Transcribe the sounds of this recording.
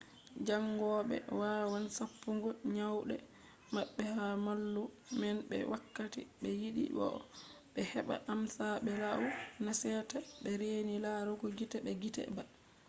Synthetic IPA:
d͡ʒaŋːɡɔɓɛ̰waːwansapːuŋɡɔɲawɗɛ̰ | maɓːɛhamalːu | mɛnɓɛ̰wakːatḭɓɛjiɗḭbɔ̰ | ɓɛhɛɓa̰ʔamsaɓɛlawunasɛtaɓɛɾenilaɾuɡɔɡitɛɓɛɡitɛ̰ba

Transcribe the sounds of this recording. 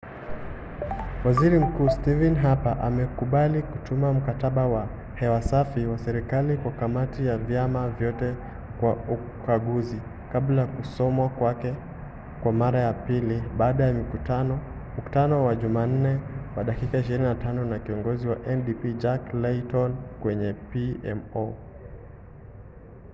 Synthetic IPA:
waziɾim̩kuːstivɛnɦapaʔamɛkuɓalikutʰumam̩kataɓawa | hɛwasafiwasɛɾikalikwakamatijavjamavjɔtɛ | kwau | kʰaɠuzi | kablajkusɔmwakwakɛ | kwamaɾajapiliɓaːɗajamiutan | muku̥tanɔwaʄuman̩nɛwaɗakikaiʃ̬iɾininatʰanɔnakiɔŋɡɔziwaʔɛnɗipid͡ʒaklɛtɔnkwɛɲɛpiɛ̰mɔ

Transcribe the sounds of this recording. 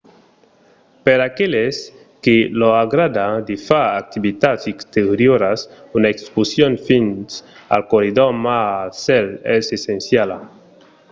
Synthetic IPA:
peɾakeles | keloaɣɾad̪ad̪efaɾak̚t̪iβit̪atsikst̪eɾjoɾas | unaekspusjonfinsa̰lkoɾiðomasɛlɛsesẽnsjala

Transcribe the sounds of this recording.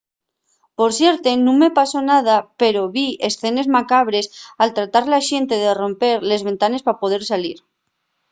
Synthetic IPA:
po̞ɾsje̞ɾt̪e̞nũŋme̞paso̞nað̞ape̞ɾo̞βiesθe̞ne̞zmakaβ̞ɾe̞salt̪ɾat̪aɾlaʃe̞nt̪eðero̞mpe̞ɾle̞zβe̞nt̪ane̞spapo̞ð̞e̞ɾsaliɾ

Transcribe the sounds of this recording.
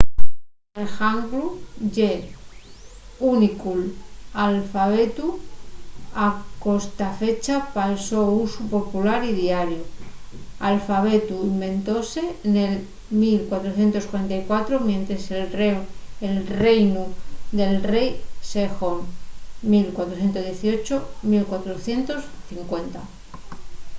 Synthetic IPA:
exaŋɡluʝe | unikulalfaβ̞e̞t̪u | ako̞st̪afe̞t͡ʃapalso̞usupo̞pulaɾiðiaɾju | alfaβ̞e̞t̪uimbẽ̞nt̪o̞se̞nel | milkwat̪ɾoθje̞nt̪o̞skwaɾe̞nt̪ajkwat̪ɾomje̞nt̪ɾese | elrejnud̪e̞lre̞jsexonmilkwat̪ɾoθje̞nt̪oðje̞θio̞t͡ʃomilkwat̪ɾo̞θje̞nt̪o̞sθiŋkwe̞nt̪a̰

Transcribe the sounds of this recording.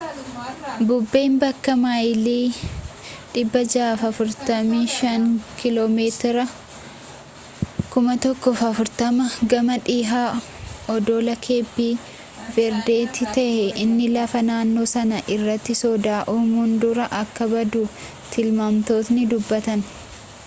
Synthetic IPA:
bʊbːe̞ːmbɐkːɐmaːjliː | ᶑɪbːɐd͡ʒaːfɐfʊɾt̪ɐmiːʃɐŋkɪloːmeːt̪ɪɾɐ | kʊmɐt̪ɔkːɔfɐfʊɾt̪ɐmɐɡɐmɐᶑiːɦaː | ɔd̪oːlɐkʰe̞ːbːiː | vɛɾd̪eːt̪ːɪt̪ɐʔhɛʔɪnːɪlɐfɐnaːnːo̞ːsɐnɐʔɪrːɐt̪ːɪsɔd̪aːʔoːmuːnd̪ʊɾɐʔɐkːɐbɐd̪ʊ | t̪ɪlmaːmt̪o̞ːt̪nɪd̪ʊbːɐt̪ɐn

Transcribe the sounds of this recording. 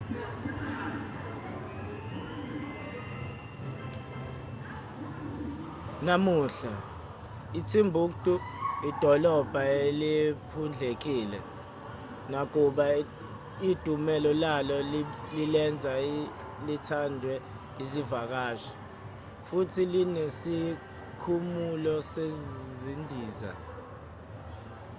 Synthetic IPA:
namuːɬa | it͡sʰimbʱuk̬tʼuid̥ʱɔlɔb̥ʱaelipʰund͡ɮʱek̬iːlɛ̰ | nak̬uɓa | id̥ʱumɛlɔlalɔlilɛnd͡zʱa | litʰandʱwɛ | izivak̬aːʃi̥ | futʰilinesi | kʰumulɔsezzindʱiːza̰

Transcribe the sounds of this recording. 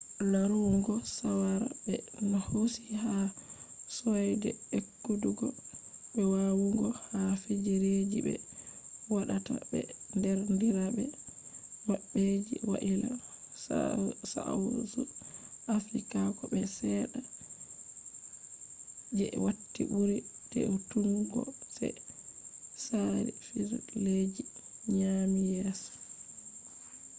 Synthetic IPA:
laɾuŋɡɔsawaɾa̰bɛnahosiha | sɔjdɛekːuduɡɔbɛwawuŋɡɔhafid͡ʒiɾed͡ʒibɛ̰ | waɗata̰bɛ̰ndɛɾndiɾabɛ | waɓːed͡ʒḭwa̰ʔila̰ | sa̰zuʔafɾikakɔbɛsɛɗa | d͡ʒɛwatːibuɾitɛ̰utuŋɡɔ̰sɛ̰ | saɾḭfid͡ʒuled͡ʒiɲamijɛs

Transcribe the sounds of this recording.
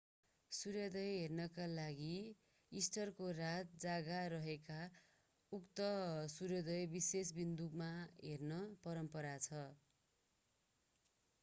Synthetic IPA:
suɾʌd̪ʌjɦernʌkalaɡi | isʈʌrkorat̪̚d͡zaɡaɾʌɦeka | ukt̪ʌsuɾjʌd̪ʌjbisesbind̪ukmaɦernʌpʌɾʌmpʌɾat͡sʰʌ

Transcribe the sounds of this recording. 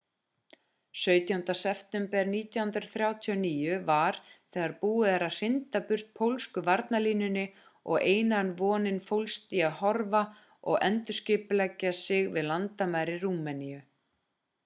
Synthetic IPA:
sœːɥt̪jawhʏnt̪asɛft̪ɛmpɛɾniːt̪jawhʏnt̪ɾɪ̥ɾθɾjaːwt̪ʰiɔniːjʏvaɾ̥θɛːɣaɾpuːɪðɛɾaðr̥ɪnt̪apʏr̥t̪̚pʰowlskʏvaɾt̪naliːnʏnːɪ | ɔ̰ɣeːjnanvɔːnɪnfowlst̪iːahɔɾva | ɔ̰ɣɛ̰nt̪ʏ̥scɪːpʏlɛcːasɪɣvɪðlant̪amajɾɪruːmɛniʏ

